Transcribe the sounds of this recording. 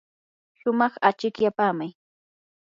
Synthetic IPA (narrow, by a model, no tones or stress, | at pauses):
ʃʊmɑχat͡ʃɪkjapaːmaj